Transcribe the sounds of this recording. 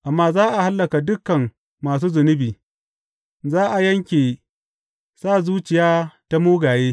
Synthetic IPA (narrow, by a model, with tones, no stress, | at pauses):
ʔa˨mːaː˦zaː˦ʔa˨ha˦lːɐ˨ka˨dʊ˦kːɐ˨mː | aː˨s̬uː˦zʊ˨nɪ˦biː˨ | zaː˦ʔa˨jɐ˦ŋkʲeː˨ | saː˦˨zuː˦t͡ʃɪ˨jaː˦ta˦muː˦ɡaː˨jeː˦